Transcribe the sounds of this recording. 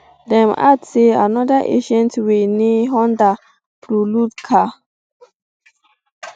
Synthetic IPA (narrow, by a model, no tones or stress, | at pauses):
dɛ̃ma̰dsea̰nɔdaʔḛʃɛ̃ntweneɦɔ̃nda | fɾulutkʰa